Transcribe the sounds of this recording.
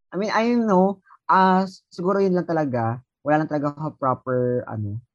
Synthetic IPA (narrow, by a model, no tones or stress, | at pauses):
ʔɐjminʔajnːo | ʔasɪɡuːɾojʊnlɐŋt̪ɐlɐɡa | wɐlaːlɐŋt̪ɐlɐɡakɐpɹapɛɹʔɐ̰no